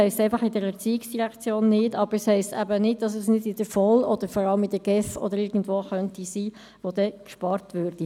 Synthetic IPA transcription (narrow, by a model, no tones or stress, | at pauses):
hɛɪstɛɪfɑχɪdɛɾɛt͡siːiksd̥iʁɛkt͡sjoːnːɪdɑb̥əɾɛshɛɪstæbənɪd̚d̥ɑs̬əsnɪdɪd̥əfɔlɔd̥̪əɾfɔɾɑləmɪd̥əɡ̥ɛfɔ̰d̪əɾɪɡn̩dvoːχœntisiː | ʋod̥ɛkʃpɑɾtʋøːɾd̥i